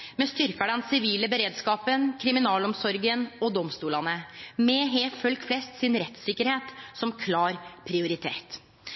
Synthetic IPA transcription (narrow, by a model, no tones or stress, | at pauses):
mɛst̪ʏɾkɑɖɛnsɪʋiːləbəɾeːd̪skɑːpənkʰɾɪmɪnɑːlɔmsɔɾɡənɔd̪ɔmst̪uːlɑnəmɛɦeːfœlkflɛst̪sɪnɾɛt̪sɪkːəɾheːt̪sɔmkʰlɑːɾpʰɾɪʊɾɪt̪ʰḛːt̪